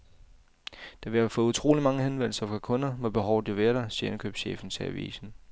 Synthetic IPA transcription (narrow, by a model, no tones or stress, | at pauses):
d̥ɑʋe̝æfɔ̽ːut͡sʰʁo̝̰ːlimɑ̈ŋəɦenʋen̰l̩sɐfʁɑ̈kʰɔ̽nɐmɒ̽b̥e̝ɦɒʊd̥iʋeːɐɾ̥ɑsiːɐenkʰø̰ːb̥sɕḛːfn̩t͡sʰe̝æ̰ʋḭːsn̩